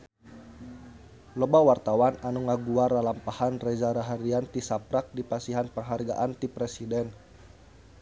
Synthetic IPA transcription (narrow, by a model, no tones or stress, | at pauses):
lobawart̪awananuŋaɡuaɾalampahanrɛd͡ʒaɾaɦaɾiant̪isapɾak̚dipasiɦanpəŋɦarɡa̰ʔant̪ipɾɛsidɛn